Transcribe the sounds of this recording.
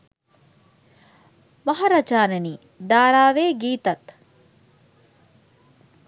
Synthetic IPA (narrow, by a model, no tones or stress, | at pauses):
mɐɦaɾɐd͡ʒaːneniː | d̪aːɾaːʋeːɡiːt̪ɐt̪